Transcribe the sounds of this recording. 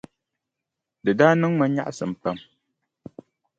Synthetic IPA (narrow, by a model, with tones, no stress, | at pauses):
dɨ˨daː˦nɨ˦ŋŋ͡ma˦ɲa̰˦ʔa˦sɨ˨m̩˨pa˦m